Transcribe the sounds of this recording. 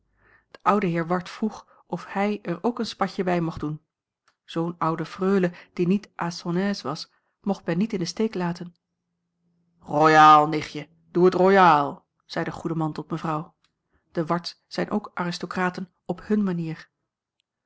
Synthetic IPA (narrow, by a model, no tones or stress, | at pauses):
d̥əʔʌwdəɦɪːɹʋɑɹtfruχ | ʔɔfhɛjɛɹowkənspɑcəbɛjmɔχdun | z̥ownʌwdəfrøːləd̥initʔaːsɔnɛːsʋɑs | mɔχt̚bɛnitɪndəstejklaːtən | rojaːlˠnɪχjə | d̥uətrojaːlˠ | z̥ɛjdəχudəmɑntɔtməvrɑw | d̥əʋɑɹts | sɛjnʔo̰wkʔaːrɪstokraːtən | ɔphɵnmaniːɹ